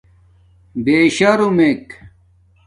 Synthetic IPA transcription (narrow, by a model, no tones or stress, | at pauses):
beɕɐɾumek